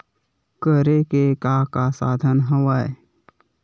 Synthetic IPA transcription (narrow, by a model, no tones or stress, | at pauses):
kəɾekekakasaːd̪ʱənɦəʋae